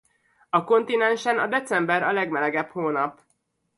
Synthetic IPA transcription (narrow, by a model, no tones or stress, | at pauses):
ɒko̞nt̪inɛnʃɛnɒ̰d̪ɛt̪sɛmbɛɾɒlɛɡmɛlɛɡɛphoːnɒp